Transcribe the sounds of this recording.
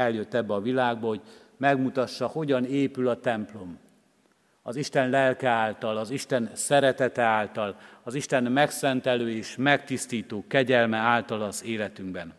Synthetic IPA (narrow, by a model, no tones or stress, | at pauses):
ɛljøt̪ːɛbːɛɒvilaːɡ̚bɒho̞ɟ | mɛɡmut̪ɒʃːɒho̞ɟɒneːpylɒt̪ɛmplo̞m | ɒziʃt̪ɛnlɛlkɛaːlt̪ɒlɒziʃt̪ɛnsɛɾɛt̪ɛt̪ɛaːlt̪ɒlɒziʃt̪ɛnmɛksɛnt̪ɛløːeːʃmɛkt̪ist̪iːt̪oːkɛɟɛlmɛaːlt̪ɒlɒzeːlɛt̪yŋɡbɛn